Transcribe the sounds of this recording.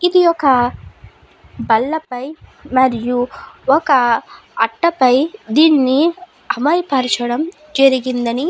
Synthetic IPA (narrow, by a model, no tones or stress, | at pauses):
id̪ijɔkɐ | bɐlːɐpɐjmɐɾijuɔkɐː | ʈːɐpɐjd̪iːnːi | ɐmɐjpɐɾt͡ʃɐɽɐm | d͡ʒɐɾiɡind̪ɐni